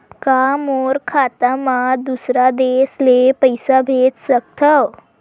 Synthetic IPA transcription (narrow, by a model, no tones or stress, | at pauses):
pkamoɾkʰat̪amad̪usɾad̪eslepəjsabʱet͡ssək̚t̪ʰəw